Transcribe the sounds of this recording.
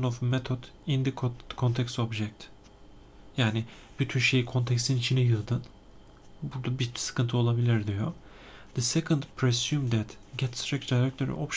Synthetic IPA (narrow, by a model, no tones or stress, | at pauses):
novmɛt̪ʰod̪ind̪ikʰokʰont̪ʰɛksobʒɛk̚t̪ | jaːnɪ | b̥yt̪ʰynʃejkʰo̞nt̪ʰɛkst̪ʰinit͡ʃʰinɛjɯlˠd̪ɯn | buɾd̪abisɯ̥kʰɯnt̪ʰɯo̞lˠabilʲiɾd̪ijo | d̪̥ɨsɛkʰɨnd̪pʰɾesjumd̪ɛt̪ɡɛt̪st̪ɾɛkd̪aɾɛk̚t̪ʰøɾḭʔopʃ